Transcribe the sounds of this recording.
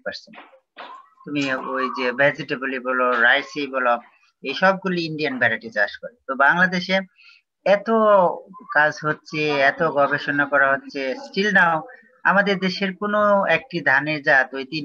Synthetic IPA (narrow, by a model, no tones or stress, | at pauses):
paɾsen | t̪umiojd͡ʑebʱɛd͡ʑiʈebulibɔloɾajsibɔlo | ejʃɔb̚ɡuliiɳɖijanbʱɛɾaʈit͡ɕaʃkɔɾet̪obaŋlad̪eʃe | ɛt̪okad͡ʑʱɦotːɕʰeɛt̪oɡɔbeʃonakɔɾaɦotːɕʰesʈilnao | a̰mad̪eɾd̪eʃeɾkonoek̚ʈid̪ʱaneɾd͡ʑat̪ojt̪in